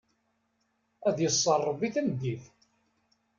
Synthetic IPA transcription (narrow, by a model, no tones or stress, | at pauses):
æðjəsˤːərˤːəviθænd̪iθ